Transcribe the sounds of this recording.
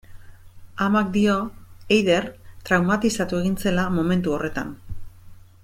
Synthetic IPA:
amak̚d̪io̞ejðe̞ɾt̪ɾawmat̪isat̪ue̞ɣ̞int͡se̞lamo̞me̞nt̪uo̞re̞t̪a̰n

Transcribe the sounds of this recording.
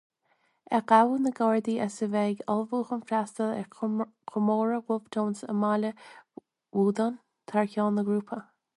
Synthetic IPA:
ɛkawənəɡɑɹd̪iʔasəvɛɡɑlvuːxənfɾast̪əlɛ̰kʰʊmoːɹəwʊvt̪ʰoːnsə̰malə | wuːd̪an | t̪ʰaɹkʲoːnəɡɾuːpʰə

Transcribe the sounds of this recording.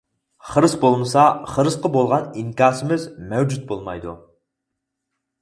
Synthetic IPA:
χəɾɨsbolˠmɨsɑχəɾɨsqəbolˠʁɑniŋkʲɑːsɪmɪzmɛwd͡ʒut̪̚bolˠmɑ̰jd̪ṵ

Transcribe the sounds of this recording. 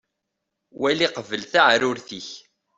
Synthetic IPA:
wæliqəvəlθaʕɾʊɾθiç

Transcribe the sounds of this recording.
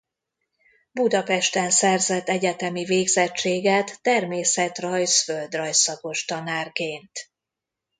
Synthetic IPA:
bud̪ɒpɛʃt̪ɛnsɛrzɛt̪ːɛɟɛt̪ɛmiveːɡzɛt͡ʃt͡ʃːeːɡɛt̪ːɛrmeːsɛt̪rɒjsføld̪rɒjsɒko̞ʃt̪ɒnaːrkeːnt̪

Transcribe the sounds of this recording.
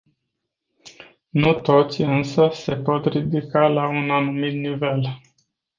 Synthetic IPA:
nut̪o̞t̪sʲɨnsəse̞po̞t̪rid̪ikalaunanumit̪nive̞l

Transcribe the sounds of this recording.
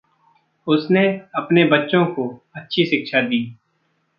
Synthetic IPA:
ʊsneɐpnebətːʃõkoətːʃʰiʃɪkʃad̪iː

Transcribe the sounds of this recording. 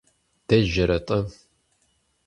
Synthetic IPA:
d̥ɐʒɐɾɐtʼɐ

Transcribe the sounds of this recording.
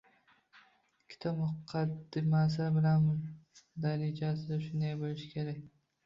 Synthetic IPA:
kʲʰɪ̥t̪ʰɒpmʊqʰɑd̪ɪmas̬ɪbɪlamd̪aɾɪd͡ʒasɪd̪aʃʊnd̪ejbolɪʃkʲʰe̞ɾakʲ

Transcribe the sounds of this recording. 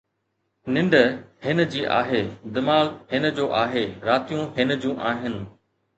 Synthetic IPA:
nɪ̃ɳɖəhɪnə̆d͡ʑiːʔa̰ːɦeːd̪ɪmaːlhɪnə̆d͡ʑoːʔaːɦeɾaːt̪ijũɦɪn̆d͡ʑũːʔaːɦɪnɪ̆

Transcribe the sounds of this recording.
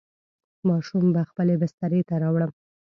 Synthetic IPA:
mɑʃumbaxpəlebɪst̪aɾet̪aɾɑwɽəm

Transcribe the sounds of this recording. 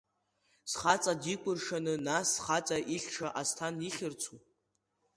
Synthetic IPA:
sχat͡sʼadikʷʼʊrʂanɨnasːχat͡sʼaʔiɬʲʈ͡ʂʰaʔastʰaniχʲɪrt͡sʰu

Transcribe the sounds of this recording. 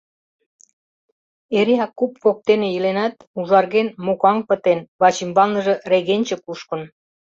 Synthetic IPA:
eɾiɑkːupfok̚t̪enejilenɑt̪uʒɑrɣenmokɑŋpə̆t̪enβɑt͡ɕimbɑlnə̆ʒĕreɣenʲt͡ɕĕkuʃkə̆n

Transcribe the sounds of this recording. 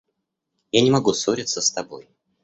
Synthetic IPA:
janʲɪmɐɡusoɾʲɪt̪səst̪ɐbo̞̰j

